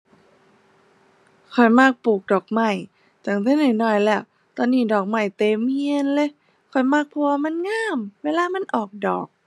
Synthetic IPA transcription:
kʰɔ˨˩jmaː˧˩k̚puː˨˩k̚dɔː˨˩k̚ma˧˩j | t̪ɛː˧˩˦ŋt̪ʰiː˧˥˩nɯː˧˩nɔː˧˩jlɛ˧˩˨w | t̪ɔː˧nːiː˧˩dɔː˨˩k̚ma˧˩jt̪eː˧˩mhi˧ə˨nlɤ˧˦j | kʰɔ˨˩jmaː˧˥˩k̚pʰɔ˧a˧ma˧˥˨nŋaː˧˥˨mweː˧˨laː˧˥˨ma˧˥˨nʔɔː˨˩k̚dɔː˨˩k̚

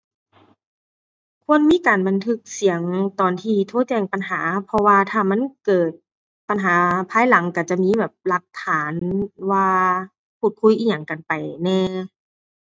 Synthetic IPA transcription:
kʰu˧˥˨ə˨nmiː˧˥˨kaː˨˩nba˨nt̪ʰɯ˧˥k̚si˨˦əŋt̪ɔː˨˩nt̪ʰiː˧t̪ʰoː˧˥˦t͡ɕɛː˧˩ŋpa˨nɦaː˩˦pʰɔ˧waː˧t̪ʰaː˧˩ma˧˥˨nkɤː˨˩t̪̚ | pa˨nɦaː˨˩˦pʰaː˧˥jla˩˦ŋka˧˩t͡ɕa˨˩miː˧˥˨bɛː˨˩p̚la˧˦k̚t̪ʰaː˩˦nwaː˧ | pʰuː˧˩t̪̚kʰu˧˥jʔiː˧˩ɲa˨˩ŋka˨˩npa˨˩jnɛː˧˩

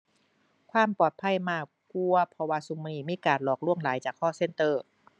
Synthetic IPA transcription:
kʰwaː˧˥˨mpɔː˨˩t̪̚pʰa˧˥˨jmaː˧˩ | ku˧ɐpʰɔ˧waː˧˩su˨˧˦miː˧˩miː˧˥˨kaː˨˩nlɔː˨˩k̚lu˧˥˩əŋlaː˨˦jt͡ɕaː˨˩kʰːɔː˧˥˩se˧˥nt̪ɤː˧˩

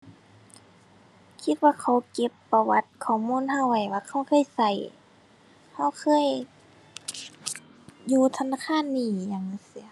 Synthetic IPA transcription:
kʰi˧˥t̪̚waː˧kʰa˧˩wke˧˦pːa˧wa˧˦t̪̚kʰɔː˨˩muː˧˥˨nɦa˧˥˨wwa˧˩jwaː˧kʰa˧˩wkʰɤː˧˥˨jsa˧˩j | ha˧˩wkʰɤː˧˥˨j | juː˧t̪ʰa˧naː˧˥˨kʰaː˧˥˨nːiː˧˩jaː˧ŋɯ˧˦si˧˦

